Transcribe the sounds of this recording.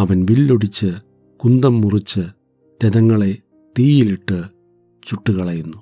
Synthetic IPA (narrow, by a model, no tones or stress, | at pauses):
ɐʋɐnʋilːoɽit͡ɕːɨ | kund̪ɐmːurit͡ɕːɨ | ɾeðɐŋːɐɭe̞ | t̪iːjiliʈːɨ | t͡ɕuʈːuɣɐɭɐjunːu